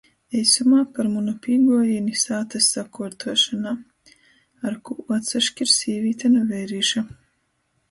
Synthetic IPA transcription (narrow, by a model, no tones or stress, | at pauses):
ɛjsumaːpaɾmunɔpʲiːɡuɔjinʲisaːt̪asːakuːɾt̪ʰuɔʃanaː | aɾkuuɔt̪saʃkʲiɾsʲiːvʲiːt̪anavɛjɾiːʃa